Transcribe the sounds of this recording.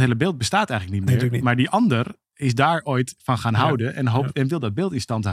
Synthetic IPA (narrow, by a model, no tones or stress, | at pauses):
ɦeələbɪːlˠt̚bəstaːtɛjɣŋləknitmɪːɹmaːɹdiʔɔndər | ɪsdaːɹojtfɔnxaːnɦawdənɛnɦoɛnʋɪlˠdɔd̚bɪːlˠtɪnstɑntɦ